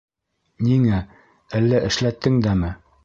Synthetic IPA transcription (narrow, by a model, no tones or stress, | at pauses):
niŋæ | ælːæʔɘ̆ʃlæt̪ːɘŋd̪æmɘ